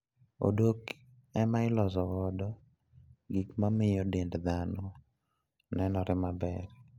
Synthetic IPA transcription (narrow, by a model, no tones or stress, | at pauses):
o̰dok | ɛmaɪlɔzɔwɔdɔ | ɡikmamɪjɔdendd̪anɔ | nɛnɔɾɪmabɛɾ